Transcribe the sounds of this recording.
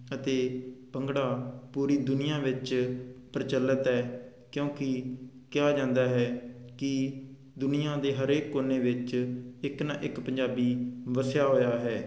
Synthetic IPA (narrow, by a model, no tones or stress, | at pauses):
ət̪eːpəŋɡɽaːpuːɾiːd̪ʊnɪjãːʋɪt͡ʃpəɾɪt͡ʃəlːət̪ɦɛː | kjõːkɪ | kɪjaːd͡ʒãːnd̪aːɦɛːkɪ | d̪ʊnɪjãːd̪eːɦəɾeːkːoːneːʋɪt͡ʃɪknãːʔɪkpəɲd͡ʒaːbiːʋəsjaːɦoːjaːɦɛː